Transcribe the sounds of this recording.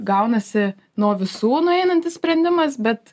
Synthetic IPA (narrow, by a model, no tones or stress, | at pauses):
ɡɐʊnɐsʲɪ | nuɔʋʲɪsuːnʊɛɪnɐnʲt̪ʲɪssʲpʲɾʲɛnʲd̪ʲɪmɐs̬bʲɛt̪